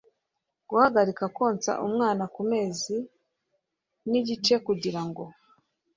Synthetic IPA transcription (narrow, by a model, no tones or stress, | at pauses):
ɡ̥uhaɡaɾikakwo̞ːnt͡sa̰ʔumŋaːnakume̞ːzi | niɟit͡ʃe̞kuɟiɾaŋɡo̞